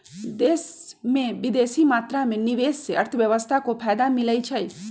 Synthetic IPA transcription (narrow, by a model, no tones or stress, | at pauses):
d̪eːsmẽbid̪eːsimaːt̪ɾamẽniʋeːsseɐɾt̪ʰəʋjəʋəst̪ʰakopʰaːjd̪amɪləjt͡ʃʰəj